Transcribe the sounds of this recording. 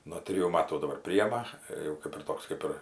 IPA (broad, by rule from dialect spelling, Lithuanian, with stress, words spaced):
noː ˈtʲrʲɪjuː ˈmɑːtuː dɐˈbɐr ˈpʲrʲɪjɛmɐ ˈɪr jɛʊ ˈkʲeːp ɪr ˈtoːks ˈkʲeːp ɪr